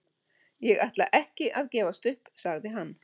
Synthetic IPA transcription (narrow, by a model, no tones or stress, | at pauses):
jɛɣajht̪la̰ʔɛhcɪʔaðcɛːvast̪ʏhpsaɣðɪɦanː